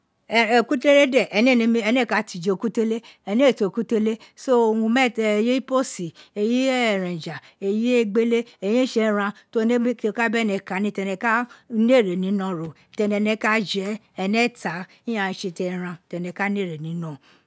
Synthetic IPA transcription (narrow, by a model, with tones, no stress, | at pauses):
ku˦te˦le˦le˦dɛ˦˨ʔɛ˧nĩ˦˨nĩ˧˦mĩ˧ɛ˧nɛ̃˦˨ka˨˦ti˧˨d͡ʒe˧o˨˧ku˦te˦le˦ɛ˧nĩ˦˨to˨ku˦te˦le˦so˦o˧wũ˧mɛ˦˨je˦i˦po˦si˨e˧ji˦˨ɾɛ̃˨d͡ʒa˨ | e˧je˦e˦ɡ͡be˦le˦e˨j̃ẽ˦ʃɛ˧ɾ̃ã˧to˦˧ne˦ko˧ka˦bɛ˦˨nɛ̃˧˨ka˨˦nĩ˦tɛ˧nɛ̃˧ka˦n˦e˦˨ɾe˨nĩ˨˦nɔ̃˦˨ɾo˨tɛ˧nɛ̃˧nɛ̃˧ka˦d͡ʒɛ˨˦ | ɛ˧nɛ̃˦ta˨˦ | ĩ˦ã˦˨˧ʃe˧tɛ˧˨ɾ̃ã˧tɛ˧nɛ̃˧ka˦n˦e˦˨ɾe˨nĩ˨˦nɔ̃˦˨